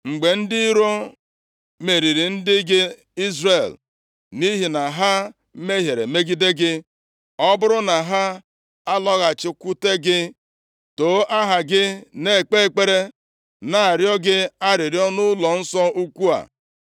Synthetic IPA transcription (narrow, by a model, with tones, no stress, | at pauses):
ŋ͡m̩˨ɡ͡be˨n̩˦dɪ˦ɾo˦ | me˨ɾi˨ɾi˨n̩˦dɪ˦ɡɪ˦ | i˦zre˨l | ni˦ɦi˨na˨ɦa˦ | me˦ɦje˨ɾḛ˨me˦ɡi˦de˦ɡɪ˦ | ɔ˦bʊ˦ɾʊ˦na˨ɦa˦ | a˦lɔ˦ɣa˨t͡ʃɪ˦kʷu˦te˦ɡɪ˦ | to˨˦a˦ɦa˨ɡɪ˦ne˦˨k͡pe˦e˦˨k͡pe˦ɾe˦ | na˨a˨ɾjɔ˦ɡɪ˦a˦ɾɪ˨ɾjɔ˦nʊ˦lɔ˨n̩˦sɔ˦u˦kʷu˦a̰˨